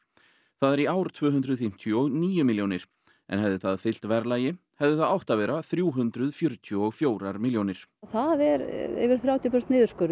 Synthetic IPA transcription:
θaðɛɾiaːwɾt̪ʰvœːɦʏnd̪ɾʏðfɪm̥t̪ʰjɔɔɣniːjʏmiljownɪɾ̥ | ʔɛ̰nɦɛvðɪθaðfɪl̥t̪vɛɾlaːjɪ | hɛvðɪθaðawht̪avɛɾaθɾjuːɦʏnt̪ɾʏðfjʏɾt̪ʰjɔɔɣfjoːwɾaɾmiljownɪɾ̥θaðɛɾɛ̰vɪɾ̥θɾjaːwt̪jɔpœɾst̪nɪːðʏɾskœɾ

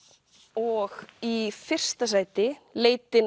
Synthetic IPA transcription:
ɔɣifɪr̥st̪asaːjt̪ɪleːjt̪ɪn

